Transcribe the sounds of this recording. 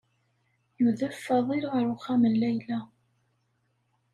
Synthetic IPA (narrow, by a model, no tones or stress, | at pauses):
juðəfːəðˤiɾʁəɾʊχæməlːæjlæ